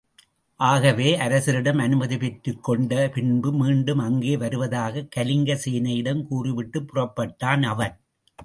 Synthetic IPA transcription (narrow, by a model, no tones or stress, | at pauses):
ʔaːɣɐʋeːʔɐɾɐsɪɾɪɽɐmɐnɯmɐðɪpɛʈɾɯkːɔɳɖɐpɪɳbɯmiːɳɖɯmɐŋɡeːʋɐɾɯʋɐðaːɣɐkːɐlɪŋɡɐsiːnɐjɪɽɐmkuːrɪʋɪʈːɯpːʊrɐpːɐʈːaːnɐʋɐn